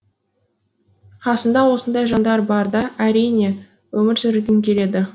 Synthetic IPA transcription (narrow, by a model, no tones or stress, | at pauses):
qʰɑsənd̪ɑwo̞sənd̪ɑjʒɑnd̪ɑɾbɑɾd̪ɑʔæɾijne̞ | wɵmɪɾsʏɾɪɡʲɪŋkʲʰe̞le̞d̪ɪ